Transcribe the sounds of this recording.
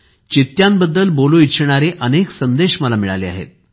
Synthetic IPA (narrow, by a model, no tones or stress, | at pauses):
t͡ɕit̪jambəd̪ːəlboluit̪ɕɳ̃aɾeʔəneksənd̪eɕməlamiɭa̰lea̰ɦḛt̪̚